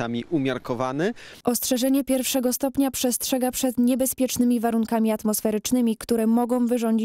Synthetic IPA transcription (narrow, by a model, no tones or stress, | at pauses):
amʲiʔumʲjaɾkɔvanɘʔɔstʂɛʐɛɲɛpʲjɛɾfʂɛɡɔst̪ɔpɲapʂɛstʂɛɡapʂɛt̪ɲɛbɛspʲjɛt͡ʂnɘmʲivaɾuŋkamʲiat̪mɔsfɛɾɘt͡ʂnɘmʲikt̪uɾɛmɔɡɔ̃w̃vɘʐɔɲd͡ʑi